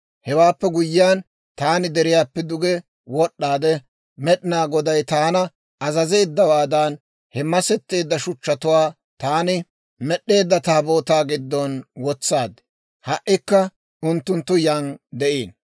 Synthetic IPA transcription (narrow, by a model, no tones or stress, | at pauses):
hɛwaːpːɛɡʊjːɪjaːn | t̪aːnɪd̪ɛɾɪjaːpːɛd̪ʊɡɛ | wɔɗːaːd̪ɛ | mɛɗɪnaːɡɔd̪ɐjt̪aːnɐ | ɐzɐze̞ːd̪ːɐwaːd̪ɐn | hɛmɐsɛt̪ːeːd̪ːɐʃʊt͡ʃːɐt̪ʊwaː | t̪aːnɪ | mɛɗːe̞ːd̪ːɐt̪aːbo̞ːt̪aːɡɪd̪ːɔnwɔt͡sːaːd̪ | hɐʔːɪkːɐ | ʔʊnt̪ːʊnt̪ːʊjɐnd̪ɛʔeːn